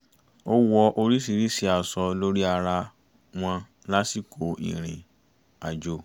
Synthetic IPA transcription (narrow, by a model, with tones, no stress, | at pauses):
o˦wɔ˧ʔo˧ɾi˦s̬i˧˨ɾi˦˨si˧˦a˨sɔ˧lo˦ɾi˦a˧ɾa˧ | w̃ɔ̃˧ | la˦si˦˨kʰo˨˦ḭ˨ɾ̃ĩ˨ | a˨d͡ʒo˨˦